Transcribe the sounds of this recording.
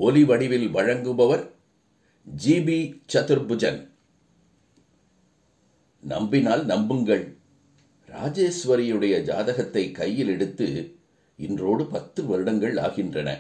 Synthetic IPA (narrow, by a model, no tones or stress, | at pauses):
ɔliʋɐɽɪʋɪlʋɐɻɐŋɡɯbɐʋɐɾ | d͡ʒiːbit͡ʃɐt̪ɯɾbɯd͡ʒɐn | nɐ̰mbɪnaːlnɐmbɯŋɡɐɭ | ɾa̰ːd͡ʒeːsʋɐɾɪjɯɽɐjɐd͡ʒa̰ːðɐɣɐt̪ːɐɪkːɐjːɪlɛɽɯt̪ːɯ̰ | ɪndroːɽɯpɐt̪ːɯʋɐɾɯɽɐŋɡɐɭa̰ːɣɪndrɐnɐ̰